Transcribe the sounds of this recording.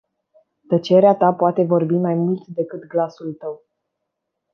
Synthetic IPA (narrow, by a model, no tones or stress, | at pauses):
t̪ət͡ʃe̞ɾeat̪apoat̪e̞vo̞rbimajmult̪d̪e̞kɨt̪ɡlasult̪əw